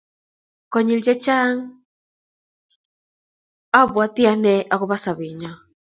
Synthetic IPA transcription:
kɔ˨ɲi˨ld͡ʒɛ˦t͡ʃa˦ŋ | a˦βwa˦ti˦a˨˦nɛ˦ʔa˨ɣu˦βa˦sa˨βi˨ɲa˨

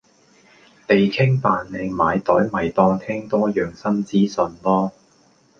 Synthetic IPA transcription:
t̪e˨jkʰɪ˥ŋpaː˨nle˨˧˩ŋmaː˨˧jt̪ɔː˨˥jmɐ˨jt̪ɔː˧ŋt̪ʰɛː˥ŋt̪ɔː˥jœː˨ŋsɐ˥nt͡siː˥sɵ˨nlɔː˥

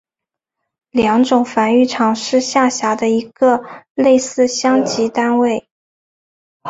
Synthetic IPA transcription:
ljɑ˧˥ŋʈ͡ʂʊ˨˩ŋfa˧˥ny˥˩ʈ͡ʂʰɑ˨˩ŋʂɻ̩˥˧ɕja˥˩ɕja˧˥d̪ə˧i˧˥ɡ̥ə˧le˥˧ɪsɹ̩˥˧ɕjɑ˥ŋt͡ɕi˧˥t̪a˥nwe˥˩ɪ

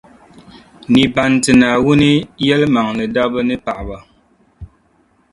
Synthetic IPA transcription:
ni˨ba˨ntɨ˨na˨wu˦ni˦jɛ˦lma˨ŋlɨ˨da˦bə˦nɨ˦pa˨ʔba˨

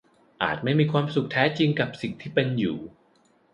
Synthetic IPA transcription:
ʔa̰ː˨˩t̪̚ma˥˩jmiː˧kʰwaː˧msu˨˩k̚t̪ʰɛː˦˥t͡ɕi˧ŋka˨˩p̚si˨˩ŋt̪ʰiː˥˩pe˧njuː˨˩

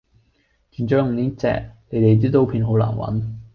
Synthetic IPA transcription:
t͡ʃyː˨˩nt͡ʃɔː˨˥jŋt̪iː˨˥t͡sɛ̰ː˧˩k̚ne˨˥jt̪e˨jt͡siː˥t̪o˥wpʰiː˧nɦo˨˥wla̰ː˨˩nwɐ̰˨˥n

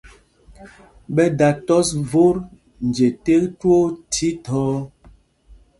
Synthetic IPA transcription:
ɓɛ˦da˨tɔ˦svo˦ɾ | n̩˨d͡ʒe˨te˦ktwo˦tʰi˦tʰɔː˦

